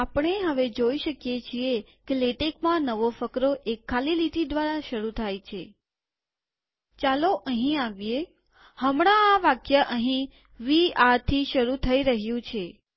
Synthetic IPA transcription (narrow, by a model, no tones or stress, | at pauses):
apɳ̃eɦəʋed͡ʒoiʃəkjet͡ʃʰie | keleʈekmãnəʋofəkɾoʔekʰːalilit̪ʰid̪ʋaɾaʃəɾut̪ʰajt͡ʃʰe | t͡ʃaloʔəɦĩaʋije | həmɽ̃ãːʋakjəʔəɦĩ | ʋiaɾt̪ʰiʃəɾut̪ʰəiɾəɦjũt͡ʃʰe